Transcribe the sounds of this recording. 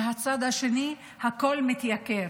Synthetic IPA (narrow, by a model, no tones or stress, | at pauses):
ɦat͡sad̪haʃe̞ni | hako̞lmit̪jake